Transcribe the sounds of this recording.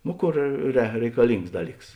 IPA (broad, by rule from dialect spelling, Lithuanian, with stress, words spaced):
ˈnoː ˈkoːr rʲɛ rʲɛɪkɐˈlʲɪŋks ˈdɑːˌlʲiːks